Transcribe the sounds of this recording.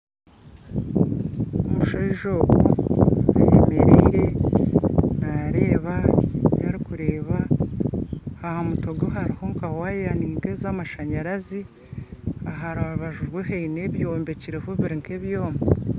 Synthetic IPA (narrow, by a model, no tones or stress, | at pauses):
omuʃoiʒoːɡoa̰jḛmeɾḭɾe | naɾeːβajaɾikuɾeːβa | hahamuto̞ɡoɦaɾiho̞ŋkawajejaniːndezamaʃaɲaɾazi | aɦaɾaβuβaʒuɾɡweɦeineβjo̞ːmbe̞ciɾehoβiɾiŋkeβjoːma